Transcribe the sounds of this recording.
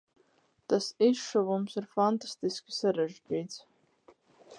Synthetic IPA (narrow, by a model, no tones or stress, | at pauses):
t̪asizʂuvumsirfant̪ast̪iskʲi̥saɾaʒdiːt̪t͡s